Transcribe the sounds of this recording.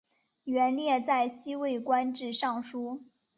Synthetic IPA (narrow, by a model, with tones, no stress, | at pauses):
ɥɛ˧˥nljɛ˥˧t͡sa˥˩ɪɕi˥we˥˩ɪkwa˥nʈ͡ʂɻ̩˥˧ʂɑ˥˩ŋʂu˥